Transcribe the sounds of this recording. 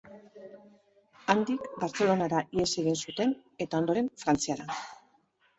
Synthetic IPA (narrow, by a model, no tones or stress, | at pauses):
and̪ikbaɾt͡se̞lo̞naɾaʔie̞se̞ɣinsut̪e̞n | e̞t̪ao̞nd̪o̞ɾe̞ɱfɾant͡siaɾa